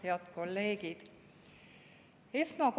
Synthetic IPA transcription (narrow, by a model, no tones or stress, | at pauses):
heɑt̪ko̞lːe̞ːɡid̪̥ | e̞smɑk